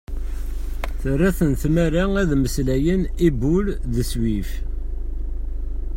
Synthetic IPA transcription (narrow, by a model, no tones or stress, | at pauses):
θərːæθənθmæɾaæðməslæjənibulðəswif